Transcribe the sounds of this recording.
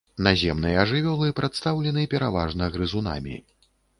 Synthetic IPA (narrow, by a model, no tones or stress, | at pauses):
nazʲɛmnɨjɐɐʐɨvʲɔlˠɨpɾʔat̪st̪awlʲɛnɨpʲɛɾavaʐnɐɣɾɨzuna̰mʲḭ